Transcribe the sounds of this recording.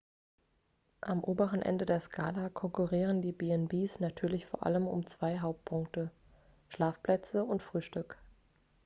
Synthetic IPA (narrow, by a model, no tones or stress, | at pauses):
ʔamʔoːbəʁənʔɛ̰ndədeːɐskʰaːlakʰɔŋkuʁiːʁ̞əndiːbeɛnbeːsnatʰyːɐlɪçfoːɐʔa̰ləmʊ̰mt͡sv̥aɪɦaʊp̚t̚pʰʊŋktə | ʃlaːfplɛt͡səʊntfʁ̥yːʃtʏk